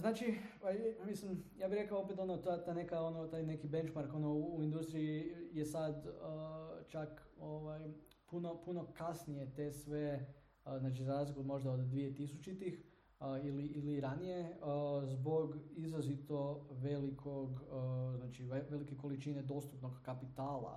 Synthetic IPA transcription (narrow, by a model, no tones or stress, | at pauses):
znaːt͡ʃioajmislimjaːbixɾe̞kaoop̬et̪o̞not̪at̪aːjne̞kao̞not̪aːjne̞kibe̞nt͡ʃmaɾko̞nouːind̪ust̪ɾijije̞sad̪ət͡ʃakoʋaj | puno̞puno̞kasnije̞t̪e̞sʋe̞ | znaːt͡ʃizaɾaːzliklomo̞ʒd̪aod̪ːʋije̞t̪isut͡ʃit̪ix | əiliiliɾanije̞əzbo̞ɡizɾazit̪o̞ʋe̞likʰo̞ɡznaːt͡ʃieʋe̞like̞ko̞lit͡ʃine̞d̪o̞st̪upnoɡkapit̪aːlˠa̰